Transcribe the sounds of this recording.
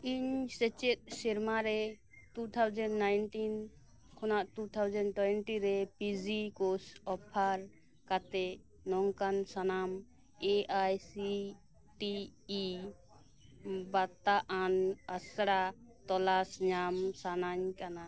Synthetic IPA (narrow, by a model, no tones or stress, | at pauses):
iɲsɛt͡ʃɛt̪̚siɾmaɾɛ | t̪ut̪ʰawd͡ʒɛnɖnajnʈin | kʰɔnaʔt̪ut̪ʰawd͡ʒɛnɖʈwɛɛnʈiɾɛpid͡ʒikosɔpʰːaɾ | kat̪ɛ | nɔŋkansanam | eʔajsi | ʈiː | bat̪aʔanasɽat̪ɔlasɲamsanaɲkana